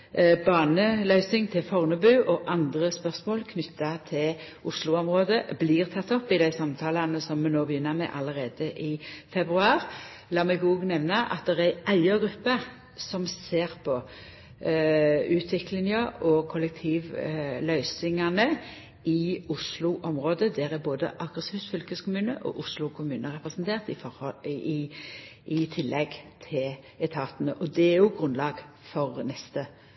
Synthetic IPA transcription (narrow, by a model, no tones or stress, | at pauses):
bɑːnəlœʏsɪŋt̪ʰɪlfɔʁnəbʉːʔɔʔɑnd̪ʁəspœʁsmoːlkʰnʏt̪ʰːɑt̪ʰɪlʔʊslʊɔmʁoːd̪əbliːʁt̪ʰɑt̪ːɔpːɪd̪æɪsɑmt̪ʰɑːlɑnəsɔmːɛnoːbəjʏnːəʁmɛ̰ʔɑləʁeːd̪əʔɪːfɛbʁʉɑːʁ | lɑːmɛɡɔːɡnɛʋnɑʔɑ̰t̪̚d̪ɛʁæʔæɪəɡʁʉpːə | sɔmseːʁpʰɔ | ʉːt̪ʰʋɪklɪŋəɔkʰʊlːɛk̚t̪ʰiːʋlœʏsɪŋɑnə | ɪʊslʊʔɔmʁoːd̪əd̪æːɾæboːd̪ə̰ʔɑɡʁəsiːʋsfʏlkəskʰʊmʉːnə̰ʔɔ̰ʔʊslʊkʰʊmʉːnəʁɛpʁɛsnt̪ʰeːʁt̪ɪfɔɔ | ɪt̪ʰɪlːɛɡt̪ʰɪl | ɛt̪ʰɑːt̪nəʔɔd̪ɛæɾjʊɡʁʉnlɑːɡ | fɔʁnɛst̪ə